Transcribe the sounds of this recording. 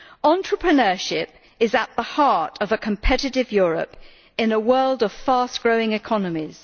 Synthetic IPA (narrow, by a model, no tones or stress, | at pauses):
ɑ̃ntɹ̥əpʰɹ̥ənɜːˑʃɪp̚ | ɪzəʔ̪̚ðəhɑɹtəvəkʰə̃mpʰɛɾɪtɪvjʊːɹə̰p | ɪ̃nəwɜːlˠdəv̥fɑˑsɡ̥ɹəʊɪ̃ŋɪkʰɒnəmiz̥